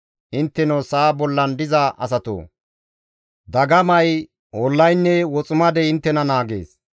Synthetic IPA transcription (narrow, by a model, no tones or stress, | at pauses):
ʔɪnt̪ːɛnosaːbɔlːɐnd̪ɪzɐʔɐ̰s̬ɐt̪o̰ː | d̪ɐɡɐmɐj | ɔlːɐjnːɛwɔt͡sʼʊmɐd̪ɛɪnt̪ːɛnɐnaːɡḛːs